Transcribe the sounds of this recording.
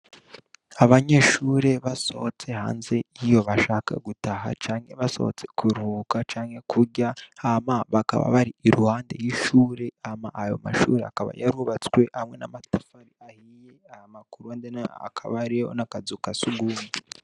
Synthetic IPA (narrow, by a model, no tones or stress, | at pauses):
aβaɲeːʃuːɾe̞βaso̞̰t͡se̞ha̰ːnze̞jijo̞βaʃaːka̰ɡutaɦa̰t͡ʃaːŋhe̞βaso̞̰ho̰t͡se̞̥kʰuɾukat͡ʃaːŋhe̞kʰuɾɟaamaβaka̰βa̰βaɾiːɾuhaːndejiʃuːɾe̞amaʔːjo̞̰ma̰ʃṵːɾe̞akaβa̰jaɾuβat͡skwe̞hamŋe̞namatafaɾiahijeahamakuɾuandenaa̰kʰaβaɾio̰nakazukasuɡuːndi